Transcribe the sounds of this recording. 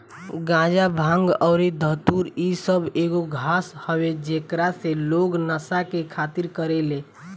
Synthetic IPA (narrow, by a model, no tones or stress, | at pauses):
ɡãd͡ʒabʱãŋɡɔʊɾed̪ʱəɦt̪uɾisəbʱeɡoɡʱashəwed͡ʒekɾaseloɡnəsakekʰat̪iɾkəɾele